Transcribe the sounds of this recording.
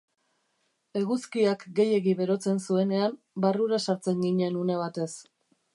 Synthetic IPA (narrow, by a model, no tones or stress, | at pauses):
e̞ɣuskiakɡe̞je̞ɣiβe̞ɾo̞t͡se̞nsue̞ne̞am | baruɾasaɾt͡se̞ŋɡiɲe̞nune̞β̞at̪e̞s